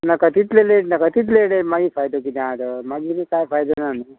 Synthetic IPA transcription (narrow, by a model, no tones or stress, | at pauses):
nakat̪it̪leleʈnakat̪it̪̬leɽemaɡifʰajd̪ok̬it̪ãd̪əmaɡiɾikaːjpʰajd̪onani